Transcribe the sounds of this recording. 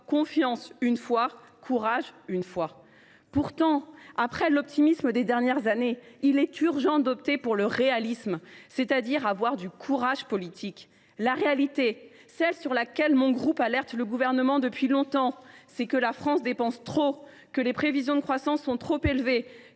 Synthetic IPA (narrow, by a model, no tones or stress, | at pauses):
kɔ̃fjɑ̃synfwa | kʰuʁaʒynfwa | puʁt̪ɑ̃apχɛlɔp̚t̪imisməd̪ed̪ɛʁnjɛʁzaneilɛt̪yʁʒɑ̃d̪ɔpt̪epuʁləʁealismset̪ad̪iʁavwaʁd̪ykʰuʁaʒpɔlit̪ʰik | laʁealit̪e | sɛlsyʁlakʲɛlmɔ̃ɡʁupalɛʁt̪ləɡuvɛʁnəmɑ̃d̪əpɥilɔ̃t̪ɑ̃sɛkəlafχɑ̃sd̪epɑ̃st̪χo | kəlepχevizjɔ̃d̪əkχwasɑ̃sːɔ̃t̪χopelve